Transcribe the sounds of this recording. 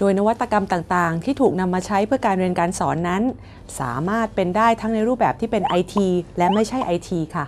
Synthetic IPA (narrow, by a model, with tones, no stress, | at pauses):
doː˧jna˦˥wa˦˥t̪ːa˧ka˧mt̪aː˨˩ŋt̪aː˨˩ŋt̪ʰiː˥˩t̪ʰuː˨˩k̚na˧mːaː˧t͡ɕʰa˦˥jpʰɯ˥˩əkaː˧nɾi˧ənkaː˧nsɔː˩˦nːa˦˥n | sa̰ː˩˦maː˥˩t̪̚pe˧ndaː˥˩jt̪ʰa˦˥ŋna˧jɾuː˥˩p̚bɛː˨˩p̚t̪ʰiː˥˩pe˧nʔa˧jt̪ʰiː˧lɛ˦˥ma˥˩jt͡ɕʰa˥˩jʔa˧jt̪ʰiː˧kʰa˥˩